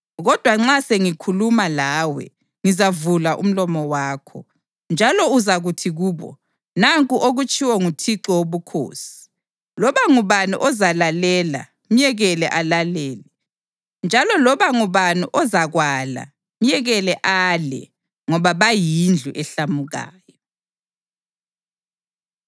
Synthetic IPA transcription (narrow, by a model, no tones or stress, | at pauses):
ɣɔd̥ʱwaŋ͡ǁaseŋikʰulumalaːwɛ̰ | ŋizavulaʔṵm̩lɔmɔwaːkʰɔ̰ | nd͡ʒʱalɔuzaɣutʰiɣuːβɔ̰ | naŋkʼuʔoɣut͡ʃʼiwɔŋutʰiǃɔwoβukʰo̰ːsi̥ | lɔβaŋuβanṵʔɔzalalɛla̰ | m̩jɛɣɛlɛʔalalɛːlɛ | nd͡ʒʱalɔlɔβaŋuβanuʔɔzaɣwala̰ | m̩jɛɣɛlɛʔaːlɛ̰ | ŋɔβaβajind͡ɮʱuʔɛɬamuɣa̰ːjɔ